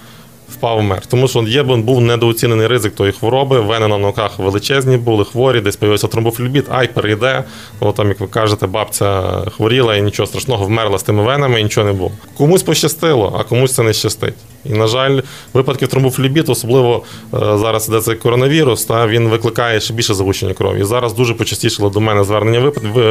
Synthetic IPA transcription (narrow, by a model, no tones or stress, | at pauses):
wpɑwmɛ̰rt̪ɔmuʃɔjɛbʊnbuwnɛd̪ɔɔt͡sʲinenɪjɾɪzɪk̚t̪ɔjixʋɔɾɔbɪʋɛnɛnɐnɔɔkɑxʋelˠɪt͡ʃɛzʲnʲibulˠɪxʋɔɾʲid̪ɛsʲpɔjɐjilˠʲsʲɐt̪ɾɔmbuflʲʊbʲit̪ɑ̰jpeɾʔejd̪ɛ | ɔt̪ɑmjɐkʋɪkɑʒet̪ɛbɑpt͡sʲɐxʋɔɾʲilˠɐinʲit͡ʃɔɦɔst̪ɾɐʃnɔɦɔwmɛrlˠɐst̪ɪmɪʋɛnɐmɪinʲit͡ʃɔɦɔnebulˠɔkɔmusʲpɔʃt͡ʃɐst̪ɪlˠɔ̰ʔɐ̰kɔmusʲt̪sɛnɛʃt͡ʃɐst̪ɪ̰tʲ | inɐʒɑlʲ | ʋɪpɐd̪kʲiwt̪ɾɔmbuflʲʊbʲit̪ɔsɔblˠɪʋɔzɑɾɐsid̪ɛt̪sɛjkːɔɾɔnɐʋʲiɾʊst̪ɑʋʲinʋɪklˠɪkɑjɛʃt͡ʃɛbʲilʲʃɛzɐɦut͡ʃenʲːɐkɾɔ̰ʋʲḭizɑɾɐzd̪uʒɛpɔt͡ʃɐsʲtʲiʃɪlˠɪd̪ɔmɛnɛzʋɛrnenʲːɐʋɪpɐt̪ʋɪ